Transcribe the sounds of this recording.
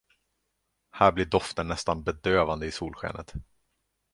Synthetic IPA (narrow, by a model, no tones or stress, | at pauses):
hæːɾblɪɖɔft̪ənːɛst̪anbɛd̪øːvand̪əɪsuːlɧɛ̰ːnʔət̪